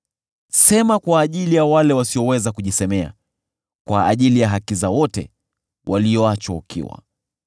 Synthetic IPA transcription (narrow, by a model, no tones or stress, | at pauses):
sɛmakwaːʄilijawalɛwasiɔwɛzakuʄisɛmɛa̰ | kwaːʄilijaɦakizawɔtɛ̰ | wʔalijɔat͡ʃwaukʰḭwa̰